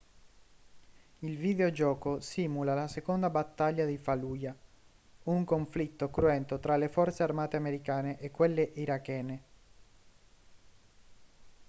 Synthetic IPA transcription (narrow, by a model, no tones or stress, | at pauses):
ilvid̪eod͡ʒɔːkosiːmulalasekond̪abat̪ːaʎːad̪ifaluːja | uŋkoɱflit̪ːokɾuɛnt̪ot̪ɾalefɔrt̪searmaːt̪eameɾikaːneʔekːwelːeʔiɾakːɛːne